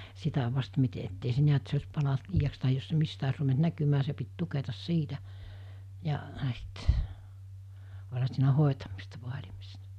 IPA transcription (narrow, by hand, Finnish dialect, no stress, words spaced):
sitæ ʋɑst mite etːei se niæt se osʲ pɑlɑnt liːjɑks tɑhij jos se mistæ os ruʋent nækymæː se pit tuketɑs siːtæ jɑ s̞it olʲhɑ siːnæ hoˑetɑmistɑ ʋoɑlʲimistɑ